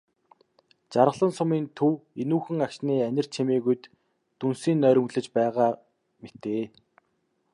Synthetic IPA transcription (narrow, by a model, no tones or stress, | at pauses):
t͡ɕaɾə̆ə̆ɮə̆nsʊmiːnt̪ʰuwenuːxɘ̆ŋakʃniːænʲɪ̆r̥t͡ɕʰemeːɣujt̪ː | unsiːnːœːɾʲɵ̆ŋɮɘ̆t͡ɕpæːʁaː | met̪eː